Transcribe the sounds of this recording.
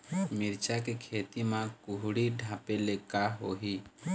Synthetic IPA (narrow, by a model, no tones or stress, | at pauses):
miɾt͡ʃakekʰeːt̪imãkuɦɽiɖʱãpelekaɦoːɦi